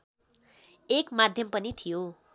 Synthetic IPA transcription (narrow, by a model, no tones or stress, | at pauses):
ekmad̪ʱjʌmpʌnit̪ʰijo